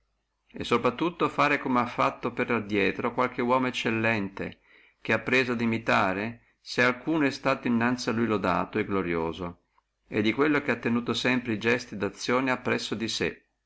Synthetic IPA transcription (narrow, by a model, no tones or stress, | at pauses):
ḛsːopɾat̪ːut̪ːofaːɾekomeafːat̪ːoperad̪jɛːt̪ɾokwalk̟ewɔːmoet͡ʃːelːɛnt̪ḛ | k̟eapːɾeːzoad̪imit̪aːɾe | sealkuːnoɛst̪aːt̪oinːant̪sialːujlod̪a̰ːt̪oeɡloɾjo̰ːzo | ḛd̪ːikwelːokeat̪ːenuːt̪osɛmpɾeid͡ʒɛst̪id̪at̪sːjoːneapːɾɛsːod̪isḛ